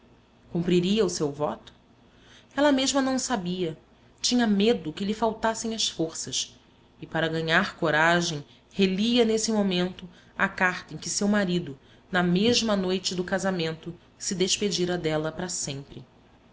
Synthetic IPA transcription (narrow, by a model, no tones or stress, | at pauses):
kũmpɾiɾiɐʊsewvɔt̪ʊ̥ | ɛlɐmeʒmɐnɐ̃w̃sabiɐ | t͡ʃĩɲɐmed̪ʊkɪlɪfawt̪asẽj̃ɐsfoɾsɐʃ | ɪpaɾɐɡɐɲaɾkoɾaʒẽj̃ | heliɐnesɪmomẽnt̪ʊ | ɐkaχt̪ɐẽj̃kɪsewmaɾid̪ʊ | nɐmeʒmɐnojt͡ʃɪd̪ʊkazamẽnt̪ʊ | sɪd̪eʃped͡ʒiɾɐd̪ɛlɐpɾɐsẽmpɾɪ